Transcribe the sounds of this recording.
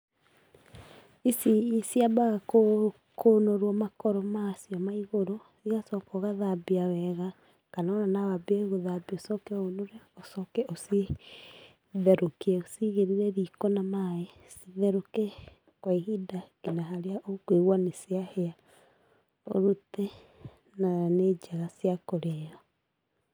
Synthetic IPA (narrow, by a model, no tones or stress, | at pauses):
isiisiabaɣako | konoɾwɔmakɔɾɔmasiɔmaiɣoɾo | siɣasɔkɔɣaðabiawɛɣa | kanananawabeeɣoðabiosɔkɛonoɾɛosɔkɛʔosi | ðɛɾokiɛosiɣeɾiɾɛɾikɔnamae | siðɛɾoke | kwaihidainaɦaɾeaʔokweɣwanesiahea | o̰ɾute | naned͡ʒaɣasiakoɾeɔ